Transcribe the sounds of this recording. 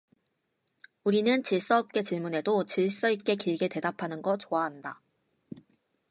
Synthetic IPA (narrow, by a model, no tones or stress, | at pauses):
uɾinɯnt͡ɕiɭs͈ʌːp̚k͈e̞t͡ɕiɭmune̞dot͡ɕiɭs͈ʌik͈e̞kiɭɡete̞dapʰanɯnɡʌt͡ɕoaɦanda